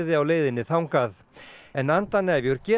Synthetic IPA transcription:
ðɪawleːjðɪnːɪθawŋkað | ɛnant̪anːɛvjʏɾcɛː

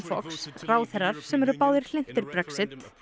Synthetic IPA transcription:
fɔ̰ksraːwθɛɾaɾ̥sɛmɛɾʏpaːwðɪɾ̥l̥ɪn̥t̪ɪɾpɾɛksɪt̪

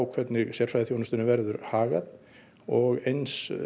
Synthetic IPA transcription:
wkʰvɛt̪nɪɣsjɛɾ̥fɾajðɪθjoːwnʏst̪ʏnʏvɛɾðʏɾhaːɣað | ɔɣejns

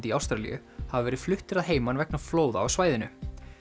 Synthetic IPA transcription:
t̪iawst̪ɾalḭjʏ̰ | havavɛːɾɪð̥flʏht̪ɪɾaðɦeːjmanvɛk̚nafloːwðaawsvaːjðɪnʏ

